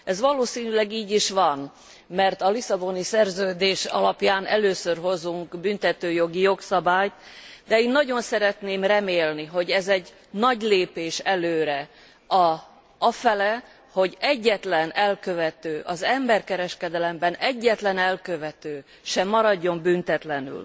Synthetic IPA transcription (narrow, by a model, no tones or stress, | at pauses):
ɛzʋɒloːsiːnylɛɡiːɟiʃʋɒn | mɛrt̪ɒlisɒbo̞nisɛrzøːd̪eːʃɒ̰lɒpjaːnʔɛløːsørɦo̞zuŋkbynt̪ɛt̪øːjo̞ɡijo̞ksɒbaːjt̪d̪ɛeːnːɒɟo̞nsɛɾɛt̪neːmrɛmeːlniɦo̞ɟɛzɛɟ | nɒɟleːpeːʃɛløːɾɛ | ɒ | ɒfɛlɛ | ho̞ɟɛɟːɛt̪lɛnɛlkøvɛt̪øːʔɒzɛmbɛrkɛɾɛʃkɛd̪ɛlɛmbɛnɛɟːɛt̪lɛnɛlkøvɛt̪øː | ʃɛmːɒɾɒɟːo̞mbynt̪ɛt̪lɛny̰l